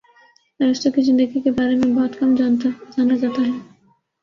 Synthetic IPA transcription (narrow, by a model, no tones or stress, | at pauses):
aɾɔst̪okid͡ʑind̪eəɡikebaɾemebɔɦɔt̪kɔmd͡ʑant̪ad͡ʒanad͡ʑat̪aɦɛ